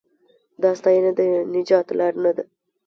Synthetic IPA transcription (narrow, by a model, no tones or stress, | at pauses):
d̪ɑst̪ɑjnad̪ənɪd͡ʒɑt̪lɑɾnad̪a